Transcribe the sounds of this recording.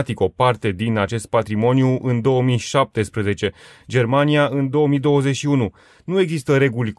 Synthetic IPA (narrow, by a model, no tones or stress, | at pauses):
t̪iko̞part̪e̞d̪inat͡ʃe̞st̪̚pat̪ɾimo̞njuʔɨnd̪o̞əmiʃap̚t̪e̞spɾəze̞t͡ʃe̞d͡ʒe̞rmaniaʔɨnd̪o̞wəmid̪o̞wəze̞tʲʃiunu | nue̞ɡzist̪əɾe̞ɡulʲ